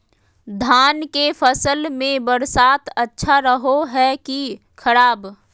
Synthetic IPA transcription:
d̪ʱaːnkefʰəsəlmẽbəɾsaːt̪ətːʃʰaɾəɦoɦɛki | kʰəɾaːb

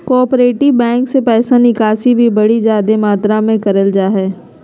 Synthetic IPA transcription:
kɔːɾpɾeːʈɪʋbɛ̃ːŋksepɛːsanikaːsibʱibɐɽid͡ʒjaːd̪emaːt̪ɾamẽkɐɾəld͡ʒaːɦɛː

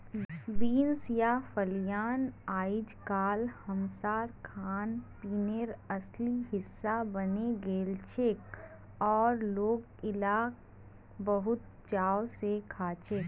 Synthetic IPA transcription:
biːnsjafəljaːnaːɪd͡ʒkaːlhəmsaːɾkʰaːnpiːneɾɐsliɦɪsːabɐneɡeːlt͡ʃeːk | ɔːɾloːɡ | ɪlaːk | bəɦʊt̪̚ | t͡ʃaːwsekʰaːt͡ʃeːk

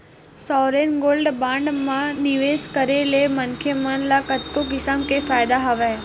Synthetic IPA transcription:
sɔɾenɡoːlɖbãɳɖmãniʋeskəɾelemənkʰjəmanlakəʈkokɪsəmkefajd̪aɦəʋe

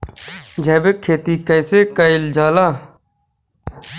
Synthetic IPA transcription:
d͡ʒʱɛːbekʰːeːt̪iːkəjseːkəɪld͡ʒaːlaː

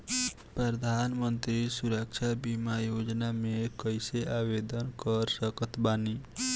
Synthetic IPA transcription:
pɾəd̪ʱaːnmənt̪ɾisuɾəkʃabimajod͡ʒnamẽkəjseʔaʋed̪ənkəɾsəkət̪baːni

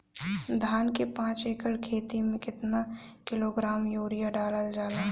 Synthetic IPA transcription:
d̪ʱaːnkepãːt͡ʃeːkəɽkʰeːt̪imẽkɪt̪nakɪloɡɾaːmjoːɾɪjaɖaːləld͡ʒaːna

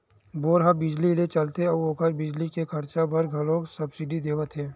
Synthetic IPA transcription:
boːɾɦabɪd͡ʒlilet͡ʃɐlt̪eɐoːkəɾbɪd͡ʒlikekʰɐɾt͡ʃabɐɾɡʱɐlõːksɐbsɪɖid̪eːʋət̪ɦẽː

